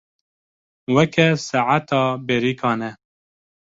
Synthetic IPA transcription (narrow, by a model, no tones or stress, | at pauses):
wɛkʰɛsaʕat̪ɑːbeɾiːkʰɑːnɛ